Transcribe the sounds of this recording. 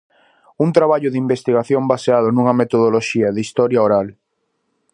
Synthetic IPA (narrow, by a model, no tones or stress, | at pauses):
unt̪ɾaβaʎʊðimbest̪iɣaθjombaseað̞ʊnũŋɐmet̪oð̞oloʃiɐðist̪ɔɾjaoɾal